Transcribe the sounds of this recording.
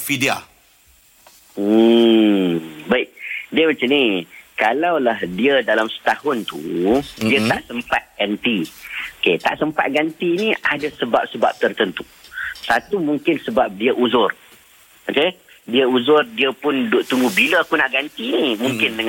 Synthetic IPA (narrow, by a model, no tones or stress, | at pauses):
fidia̰ | baiʔdiəmat͡ʃanikalawlahdiədalamsə̥t̪ahʊnt̪ṵdiət̪aʔsəmpat̪̚ɡ̥ant̪ioket̪a̰ʔsəmpa̰t̪̚ɡant̪iːniadasəba̰p̚səba̰p̚t̪ərt̪ənt̪u | sat̪umuŋkɪnsəbap̚diəʔuzʊr | oke | diəuzʊrdiəpʊndʊʔt̪uŋɡubiləakunaʔɡant̪inimũŋkɪndəŋ